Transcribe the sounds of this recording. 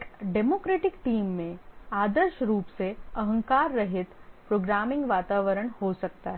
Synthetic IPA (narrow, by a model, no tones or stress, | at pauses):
kɖemoːkɾeːʈɪkʈiːmːẽaːd̪əɾʃəɾuːpseəɦə̃ŋkaːɾːəɦet̪pɾoːɡɾaːmɪ̃ŋɡʋaːt̪aːʋəɾəɳhosək̚t̪aɦ